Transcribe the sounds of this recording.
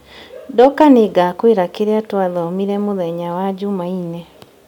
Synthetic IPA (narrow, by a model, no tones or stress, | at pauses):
dɔkaneɡakweɾakeɾeatwaðɔmiɾɛmoðɛɲawad͡ʑumainɛ